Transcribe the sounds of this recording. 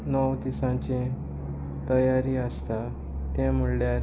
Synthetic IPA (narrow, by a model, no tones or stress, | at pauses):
nəwt̪isãt͡ɕẽ | t̪əjaɾiəst̪a | t̪ɛ̃m̤əɽljaɾ